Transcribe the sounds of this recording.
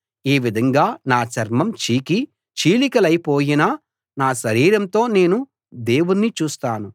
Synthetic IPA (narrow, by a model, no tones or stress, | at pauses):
eːʋid̪ʱɐŋɡaːnaːt͡ʃɐɾmɐmt͡ʃiːki | t͡ʃiːlikɐlɐjpo̞ːjina | naːʃɐɾiːɾɐnt̪o̞ːne̞ːnu | d̪e̞ːwunnːit͡ʃuːst̪aːnu